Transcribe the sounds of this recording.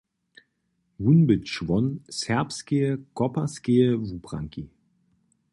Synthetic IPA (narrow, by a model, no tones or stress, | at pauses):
vunbəʃvɔnsɛɐpskeəkɔpɐskeəvupʁa̰ŋki